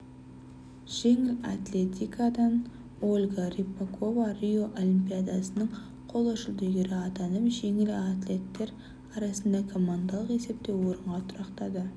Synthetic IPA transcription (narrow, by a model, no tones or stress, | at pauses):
ʒ̥e̞ŋɪla̰t̪lʲe̞t̪ijkad̪ɑn | o̞lʲɡaɾipːeko̞varʲijo̞ʔolimpijad̪ɑsənəɴ | qʰo̞lˠɑʃəlˠd̪ʏjɡʲeɾɪɑt̪ɑnəpʒe̞ŋɪlat̪lʲe̞t̪ːe̞ɾ | ɑɾɑsənd̪ɑkʰo̞mand̪alˠəqe̞se̞p̚t̪e̞wo̞ɾəɴʁɑt̪ʰʊɾɑqt̪ɑd̪ə